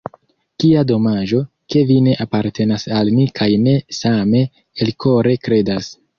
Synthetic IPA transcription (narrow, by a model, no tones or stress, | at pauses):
kiado̞mad͡ʒo̞ | ke̞vine̞ʔapaɾte̞nasalmikʰajne̞same̞ː | lko̞ɾe̞kɾe̞das